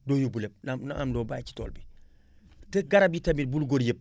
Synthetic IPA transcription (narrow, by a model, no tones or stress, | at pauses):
dojubuleb̚namnaʔamdoːbajt͡ʃi̥toːlbi | teɡaɾab̚jitamit̚bulɡoɾjep̚